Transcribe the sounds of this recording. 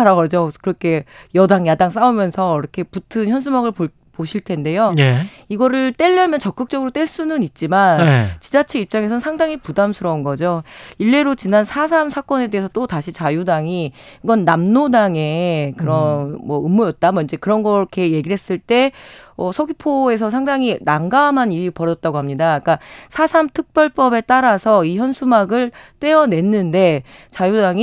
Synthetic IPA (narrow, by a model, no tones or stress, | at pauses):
aɾaɡʌd͡ʑokɯɾʌkʰe̞jʌdaŋjadaŋs͈aumjʌnsʰʌɾʌkʰe̞putʰɯnçjʌns̬ʰumaɡɯɭ | poɕʰiɭtʰe̞nde̞joje | iɡʌɾɯɭt͈e̞ʎːʌmjʌnt͡ɕʌk͈ɯk̚t͡ɕ͈ʌɡɯɾot͈e̞ɭs͈unɯnit̚t͡ɕ͈imanet͡ɕid͡ʑat͡ɕʰeip̚t͡ɕ͈aŋesʰʌnsʰaŋdaŋipudamsʰuɾʌunɡʌd͡ʑoiɭːe̞ɾot͡ɕinansʰasʰamsʰak͈ʌne̞de̞ɦesʰʌt͈otaɕʰit͡ɕajudaŋi | iɡʌnːamnodaŋe̞kɯɾʌnmwʌɯmːojʌt̚t͈amʌind͡ʑe̞kɯɾʌnɡʌkʰe̞je̞ɡiɾɦe̞s͈ɯɭt͈e̞ʌsʰʌɡipʰoe̞s̬ʰʌsʰaŋdaŋinaŋɡaːmɦaniɾipʌɾʌt̚t͈aɡoɦamɲidak͈asʰasʰamtʰɯk̚p͈jʌɭp͈ʌbe̞t͈aɾasʰʌiçjʌnsʰumaɡɯɭt͈e̞ʌne̞nːɯnde̞ | t͡ɕajudaŋi